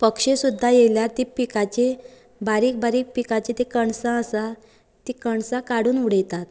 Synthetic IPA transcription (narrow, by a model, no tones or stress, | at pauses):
pəkʂesud̪ʱːajeljat̪ipikat͡ɕe | baɾiːk̚baɾiːk̚pikat͡ɕet̪ekəɳsãəsa | t̪ikəɳsãkaɽuːnuɽ̤əjt̪at̪